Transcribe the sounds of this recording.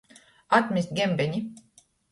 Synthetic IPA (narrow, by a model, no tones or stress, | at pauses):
at̪mist̪̚ɡʲembenʲi